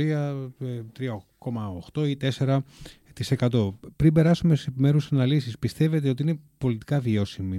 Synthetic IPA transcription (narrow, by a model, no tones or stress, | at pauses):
iɐt̪ɾiɐko̞mɐoxt̪o̞it̪e̞se̞ɾɐ | t̪ise̞kɐt̪o̞pɾimbe̞ɾɐsumesisepime̞ɾusɐnɐlisispist̪e̞ve̞t̪e̞ot̪iinepo̞lit̪i̥kɐvio̞simi